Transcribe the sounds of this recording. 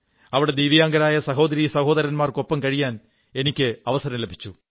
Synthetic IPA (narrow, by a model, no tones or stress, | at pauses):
ɐʋiɽe̞d̪iːʋijaːŋɡɐɾaːjɐsɐɦo̞ːd̪ɐɾiːsɐho̞ːd̪ɐɾɐnmaːrkopːɐmkɐɻijaːn | e̞nikʲːɨɐʋɐsɐɾɐmlebʱi̥t͡ɕːu